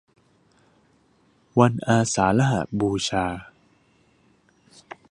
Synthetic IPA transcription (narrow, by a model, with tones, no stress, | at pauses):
wa˧nʔaː˧saː˩˦la˦˥ɦa̰˨˩t̪̚buː˧t͡ɕʰaː˧